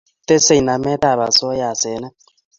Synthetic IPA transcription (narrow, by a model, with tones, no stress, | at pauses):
t̪e˦se˦˨na˨mɛ˦ta˦˨βa˨so˦ja˨se˨˦na˦